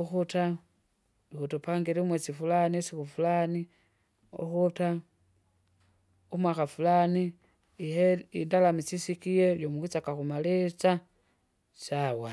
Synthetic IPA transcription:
uxuta | ixutopaŋɡeɾimwet͡sifulanisixufulani | o̰xuta | umwaxafulani | iheindalamit͡sisikijeljomuxit͡sakaxumalet͡sa | sawa

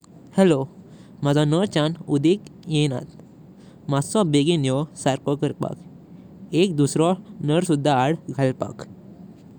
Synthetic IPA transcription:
hɛlomad͡zɔ̃nəɾt͡ɕanud̪ikjẽna̰t̪ | masɔ̃beɡinjɔsaɾkɔkəɾpa̰k | ek̚d̪usɾɔnəɾsud̪ʱːaːɽɡʱalpa̰k

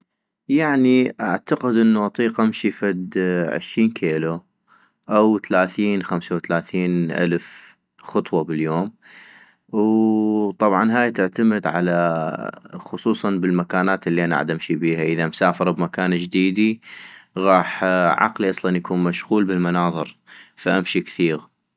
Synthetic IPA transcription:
jaʕniʔaʕt̪aqɪd̪ʔɪnːuʔɑt̪ˤiːqʔamʃifad̪ʕʊ̰ʃɾiːnkʰeːlu | ʔawt̪alaːθiːnxamsawt̪alaːθiːnʔa̰lf | xʊt̪ˤwɑbɪljoːm | wt̪ˤɑbʕɑnɦaːjt̪ɪʕt̪amɪd̪ʕa̰la | xʊsˤuːsˤɑnbɪlmakaːnaːt̪ɪlːiʔana̰ʕad̪ʔamʃibiːhaʔəðamsaːfɑɾˤbmakaːnd͡ʒd̪iːd̪i | ɣɑːħʕɑ̰qliʔɑsˤlɑnjakuːnmaʃɣuːlbɪlmanɑːðˤɨɾfaʔamʃikθiːɣ

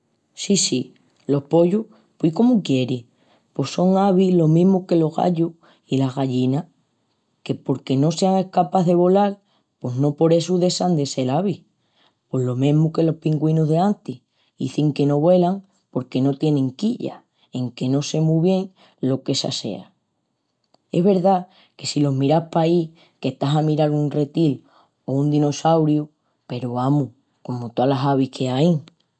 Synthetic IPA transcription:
sisi | lo̞hpo̞ʎuh | piko̞mukje̞ɾi | po̞so̞ŋaβilo̞mĩɦmuke̞lo̞ɦɣa̰ʎu | ilaɦɣaʎina | ke̞po̞ɾke̞no̞se̞aŋe̞hkapaððe̞βo̞lal | po̞ɦno̞po̞ɾe̞suðe̞sand̪e̞se̞laβi | po̞ɦlo̞mẽɦmuke̞lo̞hpiŋɡwinoɦðe̞ant̪i | ḭθiŋke̞no̞βwe̞laŋ | po̞ɾke̞no̞t̪je̞nẽ̞ŋkiʎa̰ | e̞ŋke̞no̞se̞muβje̞ŋ | lo̞ke̞sa̰se̞̰a̰ | e̞̰ɦβe̞ɾða | ke̞silo̞ɦmiɾahpai | ke̞ht̪aɦamiɾaɾunre̞t̪il | o̞und̪ino̞sawɾju | pe̞ɾoβamu | ko̞mot̪oalaɦaβ̞ihkʰe̞ajŋ

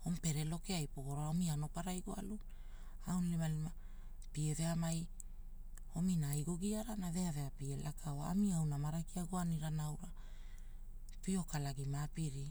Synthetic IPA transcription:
o̞mpe̞ɾe̞lo̞keajpoɡoɾaaomiano̞paɾajɡoalun | awnlimalima | pieve̞amaj | o̞minaːjɡo̞ɡiaɾanave̞ave̞apielakʰaoaa̰miawnamaɾakiaɡoaniɾanawɾa | pio̞kalaɡimapiɾi

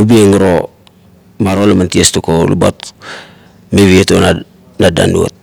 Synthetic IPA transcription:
ubieŋɾo | maɾolamantiestukolṵba̰t | meβieton | nada̰nduo̰t̚

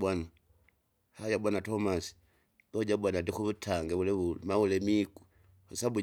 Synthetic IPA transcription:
ana | hajabanatomasi̥ | ɡod͡ʒabwanadixuβutʰaŋɡeβuleβulmaβulemiku̥ | usaβu

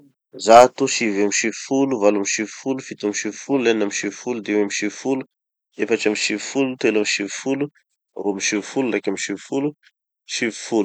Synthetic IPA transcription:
zat̪uʃivamiʃivifuluvalamiʃivifulufit̪amiʃivifuluanamiʃivifulud̪ewamiʃivifulu | efaʈ͡ʂamiʃivifulut̪elamiʃivifulu | roamiʃivifulurakamiʃivifulu | ʃivi̥fulu

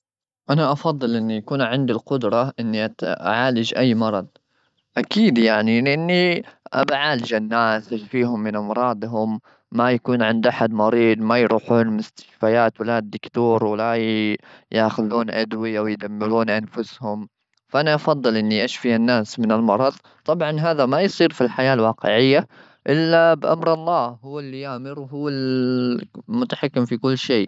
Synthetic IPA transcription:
ʔanaʔɑfɑðˤːɨlʔɪnːijakuːnʕɪnd̪ilqʊd̪ɾˤɑʔɪnːiʔaʔa̰ʕaːlɪd͡ʒʔajːmɑɾˤɑd̪ˤ | ʔakiːd̪jaʕnilɪʔɪnːiʔa̰baʕaːlɪd͡ʒanːaːsʔaʃfiːɦʊmːɪnʔamɾˤɑːd̪ˤɦʊmː | ajakuːnʕɪnd̪ʔaħad̪mɑɾiːd̪ˤmajɾˤuːħuːnmʊst̪ɪ̥ʃfajaːt̪wɪlaːd̪ːɪkt̪uːɾwala | jaːxʊðuːnʔa̰d̪wɪjawɪjd̪amːɪɾuːnʔanfʊshʊm | faʔanaʔɑfɑðˤːɨlʔɪnːiʔaʃfianːaːsmɪnɪlmɑɾˤɑðˤ | t̪ˤɑbʕɑnɦaːðamajsˤiːɾfilħajaːlwɑːqɪ̰ʕɪjːa | ʔɪlːabʔa̰mɾɑlˤːɑːhʊwːɪlːijaʕmɪɾwɦʊwːal | mʊt̪aħakːɪmfikʊlːʃeː

